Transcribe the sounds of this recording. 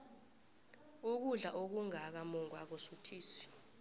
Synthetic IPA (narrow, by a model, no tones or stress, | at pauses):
uk̬uɮaʔok̬uŋak̬amɔŋwak̬osutʰiːsi̥